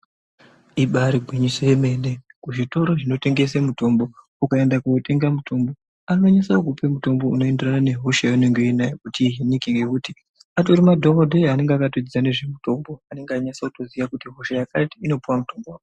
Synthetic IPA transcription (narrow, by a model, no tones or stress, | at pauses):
iɓaɾiɡʱwiɲisejeme̞ne̞kuʐito̞ɾo̞ʐino̞te̞ŋɡe̞semuto̞mbo̞ | ukae̞ndakuote̞ŋɡamutʰo̞mbo̞ | anooɲasaok̬upe̞muto̞mbo̞ṵno̞e̞nderanane̞ɦo̞ʃajaune̞ŋɡenajokutiɦinikiŋɡe̞kuti | atouɾimadʱokodʱeane̞ŋɡeakatod͡zid͡zane̞ʐe̞muto̞mbo̞ane̞ŋɡeaɲasakuto̞ziʋakutiɦo̞ʃajakatiino̞puwamuto̞mbowao